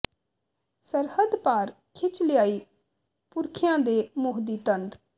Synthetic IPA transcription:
səɾhəd̪paːɾ | kʰɪt͡ʃlɪjaːiː | pʊɾkʰɪjãːd̪eːmʊɦd̪iːt̪ənd̪

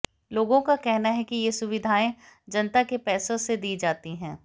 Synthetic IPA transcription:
loːɡõkakɛɦnaɦɛkijesʊʋɪd̪ʱaːẽd͡ʒɐnt̪akepɛːsõsed̪iːd͡ʒaːt̪iɦɛ̃ː

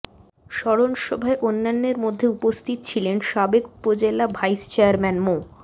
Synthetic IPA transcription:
ʃɔɽonʃɔbʱaeʔonːanːeɾmod̪ʱːeupost̪ʰit̪ot͡ɕʰilenʃabeku̥pod͡ʑelabʱajst͡ɕeaɾmɛnmo

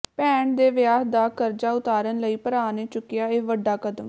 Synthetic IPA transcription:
pɛːɳd̪eːʋɪjaːɦd̪aːkəɾd͡ʒaːʊt̪aːɾənləiːpəɾaːneːt͡ʃʊkːɪjaːeːʋəɖːaːkəd̪əm

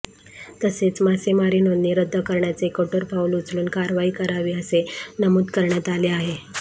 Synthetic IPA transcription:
t̪əset͡smasemaɾiːnonniːɾəd̪ʱːəkəɾɳjat͡sekəʈəɾpaulut͡sluːnkaɾʋaiːkəɾaʋiːəsenəmuːd̪kəɾɳjat̪aleaɦe

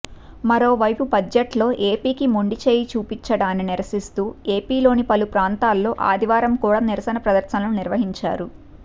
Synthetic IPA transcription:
mɐɾo̞ːʋɐjpubɐd͡ʒɐʈlo̞ːʔe̞ːpiːkimoɳɖit͡ʃe̞ːjit͡ʃuːpit͡ʃːɐɽaːnːiniɾɐsist̪uːe̞ːpiːlo̞ːnipɐlupɾaːnt̪aːlːo̞ːʔa̰ːd̪iʋaːɾɐmkuːɽaːniɾɐsɐnɐpɾɐd̪ɐɾʃɐnlɐnuniɾʋɐɦiɲt͡ʃa̰ːɾu

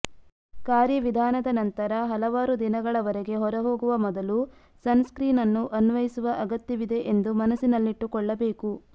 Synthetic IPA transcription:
kaːɾjɐʋid̪ʱaːnɐd̪ɐnɐnt̪ɐɾɐɦɐlɐʋaːɾud̪inɐɡɐɭɐʋɐɾeɡe̞ɦɔɾɐɦo̞ːɡuʋɐmɔd̪ɐlu | sɐnskɾiːnɐnːuʔɐnʋɐjisuʋɐʔɐɡɐt̪jɐʋid̪e̞ʔend̪umɐnɐsinɐlːiʈːukɔɭːɐbe̞ːku

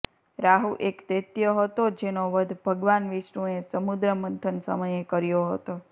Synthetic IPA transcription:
ɾaɦuʔekt̪et̪jəɦət̪od͡ʒenoʋəd̪ʱbʱəɡʋanʋiʃnũesəmud̪ɾəmənt̪ʰənsə̰məjekəɾjoɦə̰t̪o

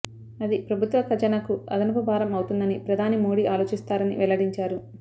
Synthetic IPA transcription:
ɐd̪ipɾɐbʱut̪ʋɐkɐd͡ʒɐnɐkuɐ̰d̪ɐnɐpɐbʱaːɾɐmɐwt̪und̪ɐnipɾɐd̪ʱaːnimoːɽiːʔaːlo̞ːt͡ʃist̪aːɾɐnḭʋɛlɐɽiɲt͡ʃaːɾu

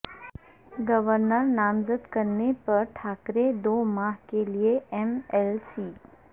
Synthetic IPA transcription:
ɡəʋəɾnəɾnaːmzəd̪kəɾnepɐɾʈʰaːkɾed̪oːmaːɦkelieɛmɛlsiː

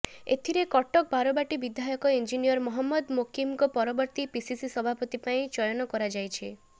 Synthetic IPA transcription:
ḛt̪ʰiɾekɔʈɔk̚baɾɔbaʈibid̪ʱajɔkɔind͡ʒinijɔɾmɔɦɔmːɔd̪mokʰimkɔpɔɾɔbɔɾt̪ipisisisɔbʱapɔt̪ipaĩt͡ʃɔjɔnɔkɔɾad͡ʒajt͡ʃʰi

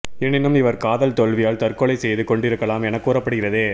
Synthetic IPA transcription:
ɛnːɪnːɯmɪʋɐɾkaːðɐlt̪ɔɭʋɪjaːlt̪ɐɾkɔɭɐɪsɛjðɯkɔɳɖɪɾɯkːɐlaːmɛnɐkːuːɾɐpːɐɽɯɣɪrɐðeː

